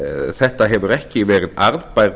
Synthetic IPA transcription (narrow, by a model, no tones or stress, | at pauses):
θɛht̪aɦɛvʏɾɛhcɪvɛːɾɪðaɾðpajɾ